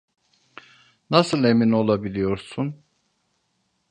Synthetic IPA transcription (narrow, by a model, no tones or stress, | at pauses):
nasɯlˠe̞mino̞lˠabilʲijo̞ɾsun